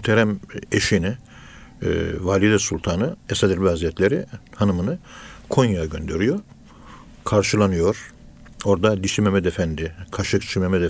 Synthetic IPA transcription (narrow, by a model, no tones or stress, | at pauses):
t̪ʰeɾɛmeʃini | valʲid̪ɛsulˠt̪ʰanɯesad̪iɾbiaziɛt̪lʲeɾihanɯmɯnɯkʰo̞njajaɟø̞nd̪e̞ɾijo̞ɾ | kʰaɾʃɯlˠanɯjo̞ɾ̥ | o̞ɾd̪ad̪iʃimemɛd̪efænd̪ikʰaʃɯkt͡ʃʰimemɛd̪e